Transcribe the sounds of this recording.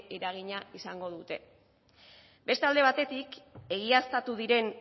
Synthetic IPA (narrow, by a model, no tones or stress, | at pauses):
eɾaɣ̞iɲaisaŋɡo̞ðut̪e̞ | be̞st̪eald̪e̞β̞at̪e̞t̪ike̞ɣ̞iast̪at̪uðiɾe̞n